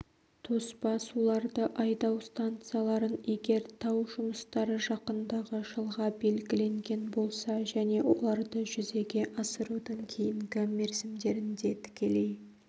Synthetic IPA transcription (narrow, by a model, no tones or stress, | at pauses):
t̪ʰo̞spɑsulˠɑɾd̪əʔɑjd̪ɑwst̪ant̪sɨjalˠɑɾəne̞ɡʲe̞ɾt̪ʰɑwʒʊməst̪ɑɾəʒɑqənd̪ɑʁəʒəlˠʁɑbe̞lɡʲɪle̞ŋɡʲe̞nbo̞lˠsɑʒæne̞wʔo̞̰lˠɑɾd̪əʒʏze̞ɡʲe̞ʔɑsəɾud̪əŋkʲʰe̞jɪŋɡʲɪme̞ɾsɪmd̪e̞ɾɪnd̪e̞t̪ʰɪ̥kʲe̞le̞j